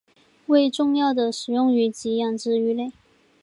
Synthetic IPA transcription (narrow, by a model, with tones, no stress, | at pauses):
we˥˧ɪʈ͡ʂʊ˥˧ŋjɑ˥˩ʊd̪ə˩ʂɻ̩˨˩jʊ˥˧ŋy˧˥t͡ɕi˧˥jɑ˥˩ŋʈ͡ʂɻ̩˥˧y˧˥le˥˩ɪ